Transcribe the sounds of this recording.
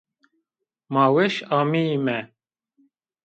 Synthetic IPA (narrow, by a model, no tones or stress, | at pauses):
mɑːweʃɑːmiimɛ